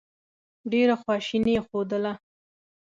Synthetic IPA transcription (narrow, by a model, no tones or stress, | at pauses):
ɖeɾaxwɑʃinexod̪əla